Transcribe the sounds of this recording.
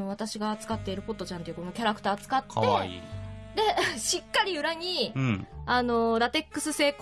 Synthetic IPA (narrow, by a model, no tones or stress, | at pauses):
o̞β̞at̪aɕiɡaːt͡sɨ̥kat̪ːe̞iɾɯ̟po̞t̪ːo̞t͡ɕãnt̪eiɯkono̞kʲaɾakɯ̟̥t̪aːt͡sɨ̥kat̪ːe̞̰ | d̪e̞ɕikːaɾʲiɯ̟ɾaɲ̟i | ano̞ɾat̪e̞kːɯ̟̥sɨse̞ːk